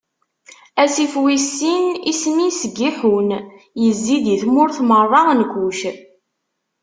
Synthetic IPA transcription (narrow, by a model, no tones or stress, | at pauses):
æsifwisːinismisəɡːiħun | jəzːid̪iθmʊɾθmərˤːɑnkʷːuʃ